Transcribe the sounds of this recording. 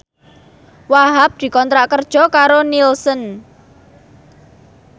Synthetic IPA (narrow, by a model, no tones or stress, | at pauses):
waɦap̚d̪̥i̤kɔnt̪ɾaʔkərd̥ʒ̥ɔ̤kaɾonilsən